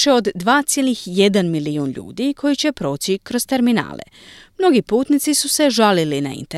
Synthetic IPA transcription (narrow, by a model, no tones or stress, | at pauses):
eo̞d̪ːʋaːt̪sjelnixje̞d̪anmiliuːnʎṵːd̪ikʰo̞jit͡ɕe̞pɾo̞ːt͡ɕikɾo̞zt̪e̞ɾmina̰ːlḛ | mno̞ɡipuːt̪nit̪sisuse̞ʒalilina̰ḭnt̪e